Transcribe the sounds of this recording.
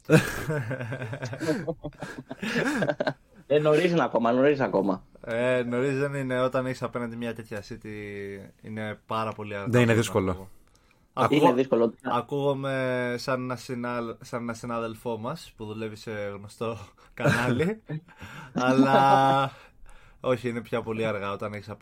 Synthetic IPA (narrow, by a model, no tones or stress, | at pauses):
enoɾizinɐko̞mɐno̞ɾizɐko̞mɐeno̞ɾizðe̞nine̞o̞t̪ɐneçsɐpe̞nɐnd̪imɲɐt̪e̞t̪çɐsit̪i | ḭne̞pɐɾɐpo̞liɐɾɣðenineðisko̞loo | ɐkuiɣeðiskoloɐkuɣome̞sɐnenɐsinɐsɐnenɐsinɐðe̞lfo̞mɐspuðule̞vise̞ɣno̞st̪o̞ | kɐnɐli | ɐlɐ | o̞çiine̞pçɐpo̞liɐɾɣɐo̞t̪ɐneçi̥sɐ